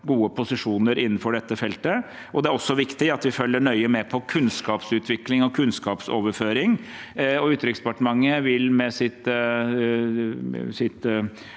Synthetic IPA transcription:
ɡuːəpʰʊsɪʂuːnəɾɪnːn̩fɔɖɛt̪ːəfɛlt̪ə | ʔɔd̪ɛæɾɔsːɔʋɪkt̪ɪɑt̪ʋɪfœlːəɳœʏəmɛpʰɔkʰʉnskɑːpsʉːt̪ʰʋɪklɪŋɔkʰʉnskɑːpsoːʋəɾføːɾɪŋ | ɔʉːt̪ɾɪkspɑʈəmɑŋːəʋɪlmɛsɪt̪ | sɪt̪

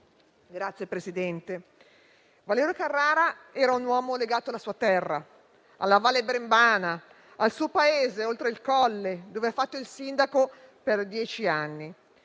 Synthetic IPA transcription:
ɡɾat̪sːjepɾesid̪ɛnt̪e | valɛːɾjokarːaːɾaɛːɾaunwɔːmoleɡaːt̪oalasuːat̪ɛrːa | a̰lːavaːlːebɾembaːna | alsuːopaeːzeolt̪ɾeilkɔlːed̪oːveafːat̪ːoilsind̪ako | perd̪jɛːt͡ʃianːi

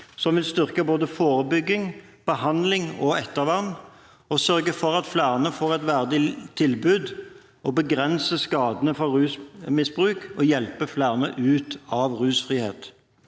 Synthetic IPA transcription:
sɔmʋɪlst̪ʏʁkəboːd̪əfoːʁəbʏɡːɪŋ | b̥əhɑnd̪lɪŋɔɛt̪ːəʁʋɑnː | ɔsœʁɡəfɔʁɑt̪flæːʁnəfoːʁɛt̪ʋæʁd̪ɪt̪ʰɪlbʉːd̪ | ɔbəɡʁɛnsəskɑːd̪ənəfɔʁʉːsmɪsb̥ʁʉːkɔjɛlpəflæːʁnəʔʉːt̪ɑʋʁʉːsfʁiːheːt̪

